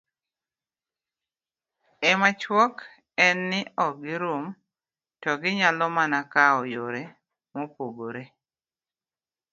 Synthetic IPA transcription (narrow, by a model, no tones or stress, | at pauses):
ɛmat͡ʃwɔk | ɛnːɪɔɡɪɾʊm | tɔɡɪɲalɔmanakaɔjoɾe | mɔpoɡoɾe